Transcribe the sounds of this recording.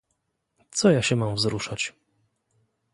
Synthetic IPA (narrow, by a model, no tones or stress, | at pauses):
t̪sɔjaɕɛmamvzɾuʂat͡ɕ